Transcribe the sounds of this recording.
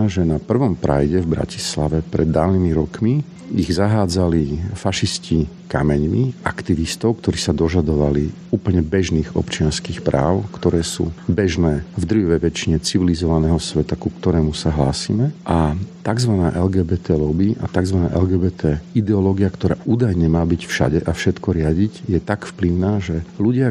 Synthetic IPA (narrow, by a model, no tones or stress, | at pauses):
ʒɛnapr̩ʋɔmpɾa̰jɟɛvbɾa̰ci̥slaʋɛpɾɛd̪ːaːlnimiɾɔkmi | iɣzaɦaːd͡zalifaʃisci | kamɛɲmiʔakt̪iʋist̪ɔʊkt̪ɔɾiːsad̪ɔʒad̪ɔʋali | uːplɲɛbɛʒniːɣɔ̰pt͡ʃɪanskiːxpɾʔaːʊkt̪ɔɾɛːsṵːbɛʒnɛːvd̪r̩jɔʋɛʋɛt͡ʃiɲɛt͡siʋilizɔʋanɛːɦɔsʋɛt̪akukt̪ɔɾɛːmusaɦlaːsḭːmɛʔat̪aɡzʋanaːʔɛlɡɛːbɛːt̪ɛːlɔbiʔa̰t̪aɡzʋana̰ːʔɛlɡɛːbɛːt̪ʰɛid̪ɛɔlɔːɡiakt̪ɔɾa̰ːʔuːd̪ajɲɛmaːbicfʃa̰ɟɛʔafʃɛt̪kɔɾɪaɟiɟjɛt̪akfpliʊnaːʒɛluɟɪa